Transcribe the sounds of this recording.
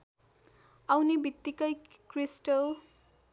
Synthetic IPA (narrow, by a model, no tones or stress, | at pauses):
ʌwnebit̪ːikʌjkrisʈʌl